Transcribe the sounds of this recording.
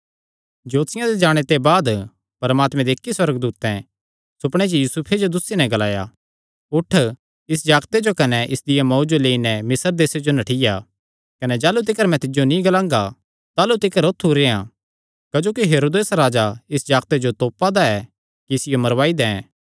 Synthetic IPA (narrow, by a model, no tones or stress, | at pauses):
d͡ʒoːt̪sɪjãd̪ed͡ʒaːɽ̃et̪ebaːd̪ | pɐɾmaːt̪mɛ̃d̪eːkːiswɐɾəɡd̪uːt̪ɛ̃ | sʊpɽ̃et͡ʃojuːsupʰed͡ʒod̪ʊsːinɛ̃ɡɐlaːja̰ | ʊʈʰː | ɪs̬d͡ʒaːɡt̪ed͡ʒokɐnɛʔɪsd̪ɪjamɔːd͡ʒoleːinɛmɪsəɾd̪eːsed͡ʒonɐʈʰɪja | kɐnɛd͡ʒaːlut̪ɪkəɾmɛ̃t̪ɪd͡ʒonĩɡɐlãːŋɡa | t̪aːlut̪ɪkəɾot̪ʰːuɾeã | kɐd͡ʒoːkiɦeːɾoːd̪eːsɾaːd͡ʒaɪsd͡ʒaːɡt̪ed͡ʒot̪oːpːad̪aɛ | kiɪsɪjomɐɾʋaːid̪ɛ̃